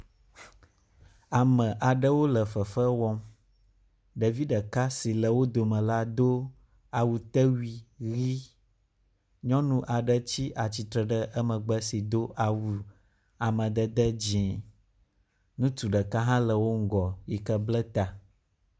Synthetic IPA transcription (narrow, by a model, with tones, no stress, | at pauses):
a˨mə̃˨ʔa˨ɖə˦wo˦lə˨fə˨fə˦wɔ˦m | ɖa˨vi˦ɖə˨ka˦si˨lə˨wo˦d̪o˨mə̃˨la˦d̪o˦ | a˨wu˨t̪ə˦wi˨ɣi˦ | ɲɔ̃˦nũ˦ʔa˨ɖə˦t͡ɕi˦ʔa˨t͡ɕi˨t̪ɾə˨ɖə˦ʔə˦mə̃˨ɡ͡bə˦si˨d̪o˦ʔa˨wu˨ | a˨mə̃˨d̪ə˦d̪ə˦d͡ʑĩ˨ | nũ˦t̪u˨ɖə˨ka˦ɦã˦lə˨wo˦ŋ̩˦ɡɔ˨ji˨kə˦blə˦t̪a˨